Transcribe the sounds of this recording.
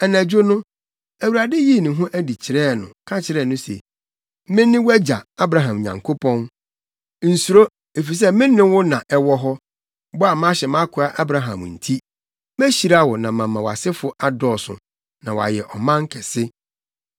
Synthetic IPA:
ɛ˨næ̃˨d͡ʑᶣo˦nʊ̃˦ | æ˨wu˨ɾa˨de˦ji˦˨nʊ̃˨ɦʊ̃˦ʔæ˦di˨t͡ɕʰɪ˨ɾɛː˦˨nʊ̰̃˨kʰã˦t͡ɕʰɪ˨ɾɛː˦˨nʊ̃˦sɛ̰˨ | mɪ̃˦nɪ̃˦wæ˦d͡ʑa˨a˦bɾa˨ɦã˨m˨ɲã̰˨ŋkʰo˦pʰɔ̃˦n | n̩˨su˨ɾo˦ | e˨fi˨s̬ɛ˦mɪ̃˦nɪ̃˦wʊ˦nã˨ʔɛ˦wɔ˦ɦɔ˦ | bɔ˦a˨mã˦ɕɛ˨mã˦kʰʊ˨a˨ʔa˦bɾa˨ɦã̰˨m˨n̩˨tʰi˦ | mæ˦ɕi˨ɾa˦wɔ˨nã˨mã˨mːã˨wa˨sɪ˦fʊ˦ʔa˦dɔː˨sʊ̰˨ | nã˨wa̰˨jɛ˨ʔɔ˨mã˦ŋ̩˦kʰɛ˨sɪ˦

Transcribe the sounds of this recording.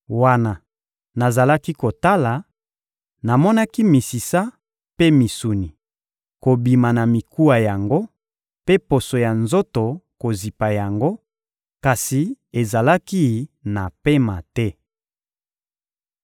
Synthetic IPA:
wa˦na˨ | na˨za˨la˦ki˦ko˨ta˦la˨ | na˨mɔ˦na˦ki˦mi˨si˨sa˦ | pe˦mi˨su˨ni˨ | ko˨bi˨ma˨na˨mi˨ku˦a˨ja˨ŋɡo˦ | pe˦po˨so˨ja˨nzo˦to˨ko˨zi˨pa˨ja˨ŋɡo˦ | ka˨si˨e˨za˨la˦ki˦na˨pe˦ma˨tɛ˦

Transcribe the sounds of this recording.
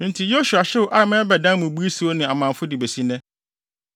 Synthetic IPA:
n̩˦tʰi˨jo˦su˨a˨ɕɛ˦wʊ˨ʔa˦˨mɛ̃˦bɛ˨dã˦mʊ̃˨bu˦i˦su˦o˦nɪ̃˨a˨mã˨m˨fʊ˦di˨be˨si˦nɛ̃˦

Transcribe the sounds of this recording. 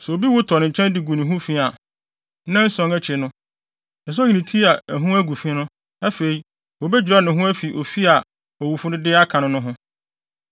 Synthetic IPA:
sɛ˨o˨bi˦wʊ˦tʰɔ˨ñ˨ɲ̩˨t͡ɕʰɛ̃˦ndɪ˨ɡu˨nĩ˨ɦũ˦fĩ˦a˨˦ | nã˦n̩˦sɔ̃˦ŋæ˦t͡ɕʰɪ˨nʊ̃˦˨ | s̬i˨nĩ˨tʰi˦a˨æ˨ɦũ˦æ˦ɡu˨fĩ˦nʊ̃˦ | æ˦fe˨i˨ | wɔ˨bɛ˦d͡ʑɾa˦nʊ̃˨ɦũ˦æ˦fi˨ʔo˨fi˦a˨ | ɔ˨wu˨fʊ˦nʊ̃˦dɪ˦a˦kʰã˨nʊ̃˦nʊ̃˦ɦʊ̃˦

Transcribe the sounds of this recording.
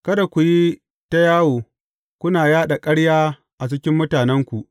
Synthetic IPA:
kɐ˦da˨kʷu˨ji˦ | ta˦jaː˦woː˨ | kʷʊ˦naː˨jaː˦ɗa˨kʼɐ˦ɽjaː˦ | ʔa˨t͡ʃɪ˦kʲɪ˦mːʊ˦taː˨nɛ˦ŋkʷu˨ʔ

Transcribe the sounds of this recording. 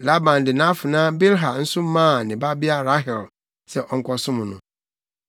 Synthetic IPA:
la˦bã˨ndɪ˨nã˦fʊ˨nã˦be˦lɦa˨n̩˦sʊ˦mãː˦˨nɪ̃˨ba˦bi˦a˦ɾa˦ɦɛ˨l | sɛ˨ʔɔ˨ŋ̩˦kʰɔ˦sʊ̃˦m̃˨nʊ̃˨

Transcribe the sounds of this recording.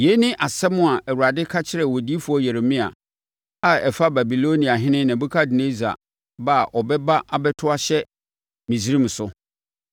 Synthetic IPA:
je˦nɪ̃˦ʔa˨sɛ˦mʊ̃˦a˨ɛ˨wu˨a˨dɪ˦kʰa˦t͡ɕʰɪ˦ɾɛ˨wɔ˨di˦fu˨˦ɔ˦jɛ˨ɾe˨mĩ˦a̰˨ | a˦˨ɛ˨fa˦ba˨bi˨lo˦nĩ˨a˨ɦɪ̃˦nɪ̃˦nã˨bu˦kʰa˦dɪ˨nẽ˦za̰˨ | ba˦˨ʔɔ˨bɛ˦ba˦ʔa˨bɛ˦tʰʊ˦a˦ɕɛ˦ | mĩ˨si˨˦ɾĩ˦m̩˨sʊ˦

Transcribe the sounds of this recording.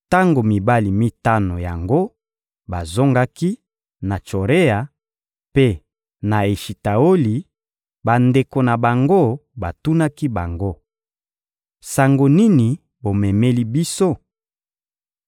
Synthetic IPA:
ta˦ŋɡo˨mi˨ba˦li˨mi˦ta˦no˨ja˨ŋɡo˦ | ba˨zo˦ŋɡa˦ki˦ | na˨t͡ʃo˨ʁe˦a˨ | pe˦ | na˨e˨ʃi˨ta˨o˦li˨ | ba˨nde˨ko˨na˨ba˨ŋɡo˦ba˨tu˦na˦ki˦ba̰˨ŋɡo˦ | sa˨ŋɡo˨ni˦ni˨ | bo˨mɛ˨me˦li˦bi˦so˦

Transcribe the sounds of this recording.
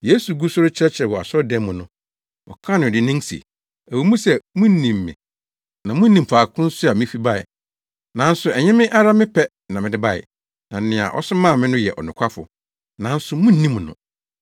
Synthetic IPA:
je˦su˨ɡu˦sʊ˦ɾʊ˦t͡ɕʰɾɛ˦t͡ɕʰɾɛ˨wɔ˨a˨sɔ˦dɛ̃˦m˦mʊ̃˨nʊ̃˦ | ɔ̰˨kʰã˦nʊ̃˨dɪ˨nɪ̃˦ŋsḭ˨ | æ˨wi˨mũ˦sɛ˨mũ˦n̩˦nĩ˨mːɪ̰̃˨ | nã˨mʊ̃˦nĩ˨m̩˨pʰaː˨kʰʊ̃˦n̩˦sʊ˦a˨mɪ̃˦fi˦ba˦ɪ̰˨ | nã˨˦n̩˦sʊ˨ɛ˨ɲɛ̃˦mɪ̃˦ʔa˦ɾa˦mɪ̃˦pʰɛ˦ | nã˨mɪ̃˨dɪ˦ba˦ɪ̰˨ | nã˨n̩˨nɪ̃˨a̰˨ʔɔ̰˦sʊ˦mã˦˨mɪ̃˦nʊ̃˦jɛ̰˨ʔɔ̰˨nʊ̃˨kʰʷa˦fʊ̰˨ | nã˨n̩˦sʊ˨mũ˦n̩˦nĩ˦m˨nʊ̰̃˨

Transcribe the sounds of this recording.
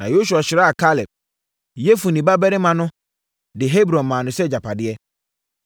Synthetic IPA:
nã˨jo˦s̬u˨a˨ɕɪ˨ɾa˦a˨kʰa˦lɪ˨p̚ | jɛ˦fu˨nĩ˨ba˦bɛ˦ɾɪ˦mã˨nʊ̃˦ | dɪ˨ɦe˦bɾɔ̃˨mã˨nʊ̃˨sɛ˦d͡ʑa˨pʰa˨dɪ˦ɛ˦

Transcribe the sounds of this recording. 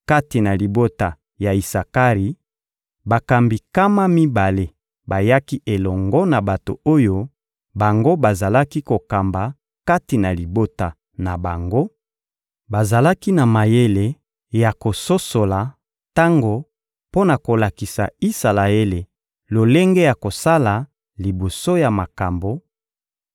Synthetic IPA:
ka˦ti˨na˨li˨bo˦ta˨ | ja˨i˨sa˨ka˦ʁi˨ | ba˨ka˨mbi˨ka˦ma˦mi˦ba˨le˦ | ba˨ja˦ki˦ʔe˨lɔ˨ŋɡɔ˦na˨ba˨to̰˨o˦jo˦ | ba˨ŋɡo˦ba˨za˨la˦ki˦ko˨ka˨mba˨ | ka˦ti˨na˨li˨bo˦ta˨ | na˨ba˨ŋɡo˦ | ba˨za˨la˦ki˦na˨ma˨je˦le˨ | ja˨ko˨so˦so˨la˨ | ta˦ŋɡo˨ | po˦na˨ko˨la˨ki˨sa̰˨i˦sa˨la˨e˦le˨ | lo˨le˦ŋɡe˦ja˨ko˨sa˦la˨ | li˨bo˨so˦ja˨ma˨ka˨mbo˨

